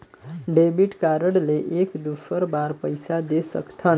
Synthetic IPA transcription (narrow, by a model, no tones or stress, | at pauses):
ɖebiʈkaɾəɽleʔekd̪ufəɾbaɾpəjsad̪esə̰kt̪ʰən